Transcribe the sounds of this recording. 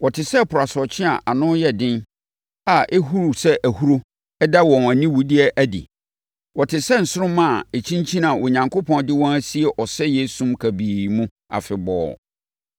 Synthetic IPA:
wɔ˨tʰɪ˨sɛ˦˨pʰʊ˨ɾa˨sɔ˨t͡ɕʰɪ̃˦a̰˨ʔa˨nʊ̃˦jɛ˨dɪ̃˦n | a˨ʔe˦ɦu˦ɾu˨sɛ˦ʔæ˨hu˦ɾo˦ | ɛ˦da˦wɔ̃˨næ˨nĩ˦wu˨di˦ɛ˦ʔæ˦dḭ˨ | wɔ˨tʰɪ˨sɛ˦n̩˨sʊ˦ɾʊ̃˦mã˦˨e˨t͡ɕʰĩ˦ɲt͡ɕʰĩ˦nã˨wʔo˨ɲã˨ŋkʰo˦pʰɔ̃˦ndɪ˦wɔ̃˦næ˦si˦e˨ʔɔ˨sɛ˦je˦sũ˦mkʰæ˨biː˨mũ˦ | a̰˨fɪ˨bɔ̰ː˨˦

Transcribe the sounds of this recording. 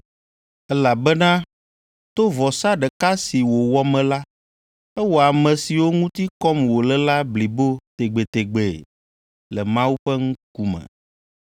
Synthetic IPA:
ɛ˦la˨bɛ˦nã˦ | t̪o˦vɔ˨sa˦ɖɛ˨ka˦si˨wo˨wɔ˦mɛ̃˨la˦ | ɛ˦wo˨a˨mɛ̃˨si˨wo˦ŋũ˦t̪i˦kɔ˦mwo˨lɛ˦la˦bli˨bo˦t̪e˨ɡ͡be˨t̪e˨ɡ͡be˨ | lɛ˨mã˦wu˦ɸɛ˦ŋũ˦k̚u˦mɛ̰̃˨

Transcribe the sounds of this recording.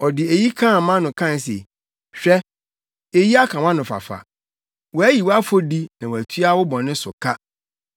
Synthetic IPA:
ɔ˨dɪ˨e˨ji˦kʰã˦˨˦mã˦nʊ̃˨kʰã˦˨n˨s̬ḛ˨ | ɕᶣɛ˦ | e˨ji˦a˦kʰã˨wã˦nʊ̃˨fa̰˨fa̰˨ | wɔ˨æ˦ji˨wa˦fo˦di˦nã˨wɔ˨æ˨tʰɥa˦wʊ˦bɔ̃˨nɪ̃˦sʊ̰˨kʰa˦

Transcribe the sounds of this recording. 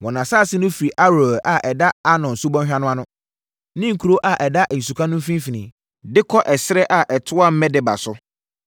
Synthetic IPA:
wɔ̃˨nã˨saː˦˨sɪ˦nʊ̃˦fi˨ɾi˨ʔa˦ɾo˨ʔa˨ʔɛ˨da˦a˦nɔ̃˨n̩˨su˦bɔ̃˦nɕᶣa˦nʊ̃˦a˦nʊ̃˦ | nɪ̃˦ŋ̩˨kʰu˨ɾo˦ʔa˨ʔɛ˨da˦ʔ̩˨su˨kʰa˦nʊ̃˦m̩˦fĩ˦m˦fi˨nĩ˨ | dɪ˦kʰɔ˦ʔɛ˨sɪ˦ɾɛ˦ʔa˨ʔɛ˨tʰʊ˦a˦m̩˦mɛ̃˦dɪ˨ba̰˨sʊ˦

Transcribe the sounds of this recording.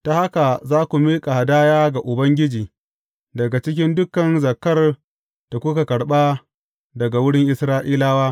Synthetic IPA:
ta˨ha˦ka˨zaː˦kʷu˨miː˦kʼa˨ha˨daː˦jaː˦ɡa˨ʔʊ˨bɐ˦ŋɡʲɪ˦d͡ʒiː˨ | dɐ˨ɡa˨t͡ʃɪ˦k̬ʲɪ˦ndʊ˦kɐ˨nzɐ˨kːɐ˦r | d̥a˨kʷʊ˦ka˨kɐ˨ɽɓaː˦ | dɐ˨ɡa˨wʊ˦ɽɪ˦ŋʔɪ˨sɾaː˦ʔiː˦laː˦waː˦

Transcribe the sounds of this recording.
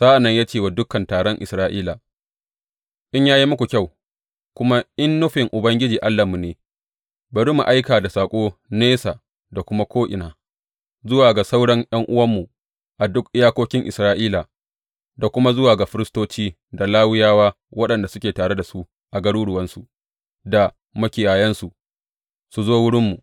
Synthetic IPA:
z̥aː˦ʔa˨nːɐ˦ɲjaː˦t͡ʃeː˦˨wa˨dʊ˦kɐ˨ntaː˨ɽɔ˦ŋʔɪ̰˨sɾaː˦ʔiː˦la˨ | ʔɪ˦ɲjaː˦ji˦mʊ˦kʷu˨kʲa˦˨w | kʷʊ˦ma˦ʔɪ˦nːʊ˦ɸɪ˨ŋʔʊ˨bɐ˦ŋɡʲɪ˦d͡ʒiː˨ʔa˦lːa˨mu˨neː˨ | bɐ˨ɽiː˦mu˨ʔa˦jkaː˨da˨saː˨kʷʼoː˦neː˦sa˨ | da˨kʷʊ˦ma˦kʷoː˦ʔɪ˨naː˨ | zʊ˦waː˨ɡa˨sa˦wɽɐ˦ŋj̰ɐ˦ŋʔʊ˦wɐ˦mːu˨ | ʔa˨dʊ˦kʔɪ˦jaː˦kʷoː˦kʲɪ˦ŋʔɪ˨sɾaː˦ʔiː˦la˨ | da˨kʷʊ˦ma˦zʊ˦waː˨ɡa˨ɸɪ˦ɾɪ˦stoː˦t͡ʃiː˦ | da˨laː˦wɪ˦jaː˦waː˦ | wɐ˦ɗɐ˨nda˨sʊ˦kʲeː˨taː˨ɽe˦da˨su˦ʔ | ʔa˨ɡɐ˦ɽuː˦ɽʊ˨wɐ˦nsu˨ | da˨ | mɐ˦kʲɪ˨jaː˨jɐ˦nsu˨ʔ | su˨zoː˦wʊ˦ɽɪ˦mːu˨

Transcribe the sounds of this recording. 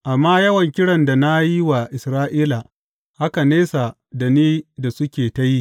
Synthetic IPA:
ʔa˨mːaː˦jɐ˦wɐ˨ŋkʲɪ˦ɽɐ˨nda˨na˦ji˦wa˨ʔɪ˨sɾaː˦ʔiː˦la˨ | ha˦ka˨neː˦sa˨ | da˨niː˦da˨sʊ˦kʲeː˨ta˦ji˦

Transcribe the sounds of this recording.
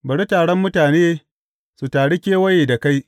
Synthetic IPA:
bɐ˨ɽi˦taː˨ɽɔ˦mːʊ˦taː˨neː˦ | su˨taː˨ɽe˦kʲeː˦wɐ˦jeː˨da˨ka˦j

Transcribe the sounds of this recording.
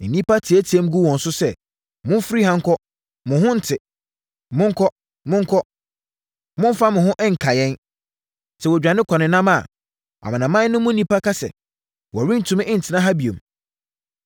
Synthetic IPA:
n̩˨nĩ˦pʰa˦tʰi˨æ˦tʰi˨e˦m˦ɡu˦wɔ̃˨n̩˨sʊ˦sɛ˦ | mʊ̃˦n˦fɾi˦hã˦ŋ˦kʰɔ˦ | mʊ̃˨ɦʊ̃˦n̩˨tʰɪ˨ | mʊ̃˦ŋ̩˦kʰɔ˦ | mʊ̃˦ŋ̩˦kʰɔ˦ | mʊ̃˦n˦fa˦mʊ̃˨ɦʊ̃˦ʔɛ˦ŋ̩˨kʰa˨jɛ̃˦n | sʰɛ˨wɔ˨d͡ʑᶣã˨nɪ̃˦kʰɔ˨nɪ̃˨nːã˦ma˦˨ | a̰˨mã˨nã˨mã˦nʊ̃˦mʊ̃˦n˦nĩ˦pa˦kʰa˦sɛ̰˨ | wɔ˨ɾĩ˦n̩˨tʰũ˨mɪ̃˦ʔɪ̃˦n̩˨tʰɪ˨nã˦ɦa˦bi˨õ˨m

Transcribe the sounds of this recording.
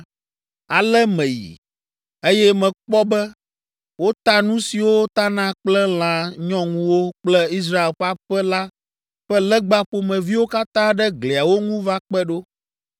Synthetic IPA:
a˨lɛ˦mẽ˨jḭ˨ | e˦jɛ˦mɛ̃˨k͡pɔ˦bɛ˦ | wo˦t̪a˦nũ˦si˨wo˦t̪a˦nã˦k͡plɛ˦l̃ã˨ɲɔ̃˦ŋũ˦wo˦k͡plɛ˦i˦s̬ɾa˦e˨lɸa˦ɸɛ˦la˦ | ɸɛ˦lɛ˦ɡ͡ba˦ɸo˨mɛ̃˨vi˦wo˦ka˦t̪ã˦ɖɛ˦ɡle˨a˨wo˦ŋũ˦va˦k͡pɛ˦ɖo˦

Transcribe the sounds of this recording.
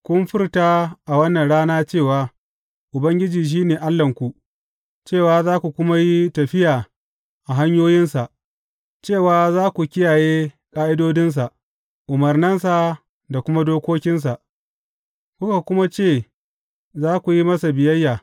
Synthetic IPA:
kʷʊ˦nɸɪ˦rtaː˦ʔa˨wɐ˦nːɐ˨nɽaː˦naː˦t͡ʃeː˦˨waː˨˦ | ʔʊ˨bɐ˦ŋɡʲɪ˦d͡ʒiː˨ʃ̬iː˦neː˨ʔa˦lːɐ˨ŋkʷu˨ʔ | t͡ʃeː˦˨waː˨zaː˦kʷu˨kʷʊ˦ma˦ji˦tɐ˨ɸɪ˦jaː˨ | ʔa˨ɦa˦ɲjoː˦jɪ˦nsa˨ʔ | t͡ʃeː˦˨waː˨˦zaː˦kʷu˨kʲɪ˦jaː˨jeː˦ | kʼaː˦ʔɪ˦doː˦dɪ˦ns̬a˨ʔ | ʔʊ˨mɐ˨rnɐ˦ns̬a˨ | da˨kʷʊ˦ma˦doː˦kʷoː˦kʲɪ˦ns̬a˨ʔ | kʷʊ˦ka˨kʷʊ˦ma˦t͡ʃeː˦˨ | zaː˦kʷu˨ji˦mɐ˦sa˨bɪ˨jɐ˦jːaː˨

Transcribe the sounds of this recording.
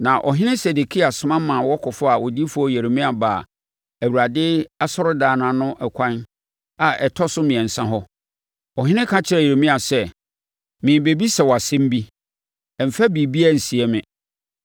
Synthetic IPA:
nã˨ʔɔ̰˨ɦɪ̃˦nɪ̃˦sɛ˨de˨kʰi˦a˨sʊ̃˨mã˦mã˨wɔ˦kʰɔ˨fʊ˦a˨wɔ˨di˦fʊ˦ɔ˦˨je˨ɾe˨mĩ˦a˨ba˨ | æ˨wu˨ɾa˨dɪ˦a˦sɔ˦ɾʊ˦daː˨nã˨nʊ̃˦ʔɛ˨kʷʰã˦n | a˨ʔɛ˨tʰɔ˦sʊ˦mĩ˨ɛ̃˨n̩˨sã˦ɦɔ˦ | ɔ˨ɦɪ̃˦nɪ̃˦kʰã˦t͡ɕʰɪ˦ɾɛ˨e˨ɾe˨mĩ˦a˨sɛ˦ | mɪ̃˨be˨bi˦sɛ˨wɔ˨a˨sɪ̃˦m˦bi˦ | ɛ˨m̩˨fæ˦bi˨bi˦æ˦˨n̩˨si˨ɛ˦mɪ̃˨

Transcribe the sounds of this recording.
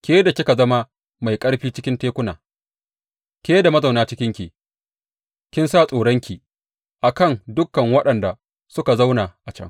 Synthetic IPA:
kʲeː˦da˨kʲɪ˦ka˨zɐ˦ma˦ | ma˨jkʼɐ˦ɽɸiː˦t͡ʃɪ˦kʲɪ˦nteː˦kʷʊ˦na̰ː˨ | kʲeː˦da˨mɐ˦za˨wnaː˦t͡ʃɪ˦kʲɪ˦ŋkʲiː˨ | kʲɪ˦nsaː˦˨sʼoː˨ɽɐ˦ŋkʲi˨ | ʔa˨kɐ˦˨ŋdʊ˦kːɐ˨ŋwɐ˦ɗɐ˨nda˨ | sʊ˦ka˨za˦wna˨ʔa˨t͡ʃɐ̰˦ŋ

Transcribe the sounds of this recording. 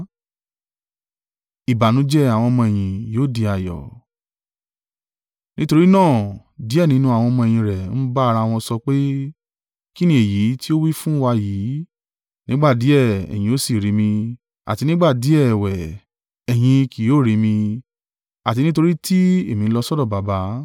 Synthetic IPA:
i˨ba˨nũ˨˦d͡ʒɛ˦˨a˨w̃ɔ̃˧mɔ̃˧e˨j̃ĩ˨jo˨˦˨di˨˧a˨jɔ̰˨ | nĩ˦to˧ɾi˦nãː˦˨ | di˨˦ɛ˦˨nĩ˦nũ˦a˨w̃ɔ̃˧mɔ̃˧e˨j̃ĩ˧ɾɛ˨n̩˦ba˦a˧ɾa˧˦˨w̃ɔ̃˧sɔ˧k͡pe˦ | ki˦nĩ˦e˨ji˨˦ti˦o˦wi˦fũ˦wa˧jiː˨˦ | nĩ˦ɡ͡ba˦˨di˨˦ɛ˦˨ɛ̰˨j̃ĩ˧˦o˦si˦˨ɾi˨˧˦mĩ˧ | a̰˨ti˧nĩ˦ɡ͡ba˦˨di˨˦ɛ˦˨wɛ˨ | ɛ˨j̃ĩ˧ki˨joː˨˦˨ɾi˨˧mĩ˧ | a˨ti˧nĩ˦t̬o˧ɾi˦tʰi˦e˦˨mĩ˧lɔ˧sɔ˦dɔ˦˨ba˨˦ba˧˦

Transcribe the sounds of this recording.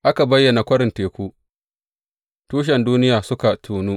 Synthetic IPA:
ʔa˦ka˨bɐ˦jːɐ˨na˨kʷɐ˦ɽɪ˨nteː˨kʷuː˦ | tuː˦ʃ̬ɛ˨nduː˦nɪ˦jaː˨sʊ˦ka˨tʰuː˨nuː˦

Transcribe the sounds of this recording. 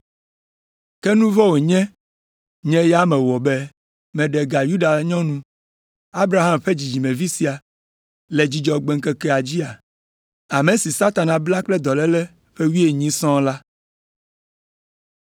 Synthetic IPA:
kɛ˦nũ˦vɔ˦wo˨ɲɛ̃˦ | ɲɛ̃˦ja˦mɛ̃˨wɔ˨bɛ˦ | mɛ̃˨ɖɛ˨ɡa˨ju˦ɖa˨ɲɔ̃˦nũ˦ | a˦bɾa˨ɦa˦mɸe˦d͡ʑi˨d͡ʑi˨mɛ̃˨vi˦si˨a˨ | le˨d͡ʑi˨d͡ʒɔ˨ɡ͡bɛ˨ŋ̩˦kɛ˦kɛ˦a˨d͡ʑi˦a˨ | a˨me˨si˨sa˦t̪a˨nã˨bla˦k͡plɛ˦d̪ɔ˨lɛ˦lɛ˦ | ɸe˦wi˦e˨ɲĩ˦sɔ̃˦la˦

